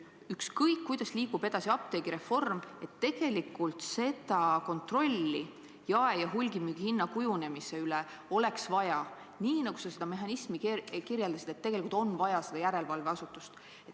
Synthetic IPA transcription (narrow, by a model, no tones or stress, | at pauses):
ykskɤjkːujd̪̥ɑsliːkub̥e̞d̪̥ɑsiɑp̚t̪e̞ɡ̥iɾe̞fo̞rme̞t̪ːe̞ɡ̥e̞likːˑult̪se̞d̪̥ɑko̞nt̪ˑro̞lʲːi | jɑejɑɦulʲɡimihinːɑkujune̞mise̞yle | o̞le̞ksvɑjɑ | niːnɑɡ̥usɑse̞d̪ɑme̞ɦɑnismikkirjeld̪̥ɑsid̪et̪ːeɡe̞likult̪o̞nvɑjɑse̞d̪ɑjæɾe̞lvɑlveɑsut̪ːˑust̪ | et̪